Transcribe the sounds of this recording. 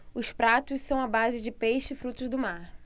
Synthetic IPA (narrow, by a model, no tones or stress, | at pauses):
ʊspɾat̪ʊssɐ̃w̃ɐbazɪd͡ʒɪpejʃɪɪfɾut̪ʊzd̪ʊmaɾ